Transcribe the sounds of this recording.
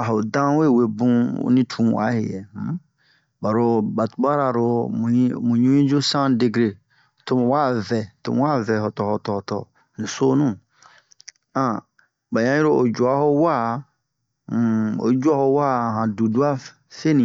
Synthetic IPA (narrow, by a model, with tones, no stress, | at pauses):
a˨ɦo˨dã˦we˦˨we˨bṵ̃˦nĩ˦tʰũ˨˦wa̰˨˦he˨jɛ̰̃˨˦ | ba˨ɾo˨ba˨tu˨ba˦ɾa˨ɾõ˧˨˦ | mũ˨ɲũ˦ĩ˦d͡ʒu˦sã˦de˧ɡɾe˨ | to˨m̃˨wa˦˨vɛ˨to̰˨m˨wa˦˨vɛ˨ɦɔ˨tɔ˨hɔ˨tɔ˨htɔ̰˨ | nĩ˨so˦nũ˦ | ã˨ | ba˨ɲã˦i˦ɾo˦o˨d͡ʒu˨a˨˦ho˦wa˦˨ | o̰˨d͡ʒu˦a˦ho˧wa˦˨ɦã˨du˨du˦a˦ | fe˦nĩ˨